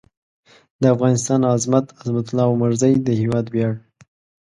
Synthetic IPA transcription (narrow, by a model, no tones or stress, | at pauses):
d̪əafɣɑnɪst̪ɑnɑzmat̪azmat̪ʊlɑmaɾzajd̪əhewɑd̪bjɑɽ